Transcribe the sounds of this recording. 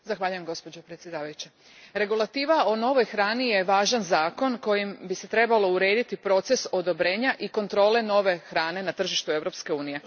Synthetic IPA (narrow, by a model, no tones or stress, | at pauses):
zaxʋaːʎuje̞mɡo̞spo̞d͡ʑopɾet̪sjed̪aːʋajut͡ɕe | ɾe̞ɡulˠat̪iːʋao̞no̞ʋo̞jxɾaːnijeʋaːʒanzaːko̞nko̞jimbiset̪ɾe̞balo̞uɾe̞ːd̪it̪ipɾo̞t̪se̞so̞d̪o̞bɾeːɲaʔiko̞nt̪ɾo̞ːle̞no̞ʋe̞xɾaːne̞nat̪r̩ʒiʃt̪ue̞vɾo̞pske̞uːnije̞